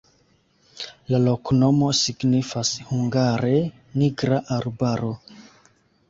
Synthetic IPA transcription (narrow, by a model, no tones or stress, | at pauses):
lalo̞kno̞mo̞siɡnifashuŋɡaɾe̞ | niɡɾaʔaɾbaɾo̞